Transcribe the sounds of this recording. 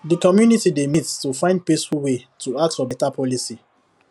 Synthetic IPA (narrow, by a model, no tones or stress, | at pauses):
dəkɔmjunitidemittufãɪ̃nd̚pesfulwetʰuak̚tfɔbɛtapʰɔlisi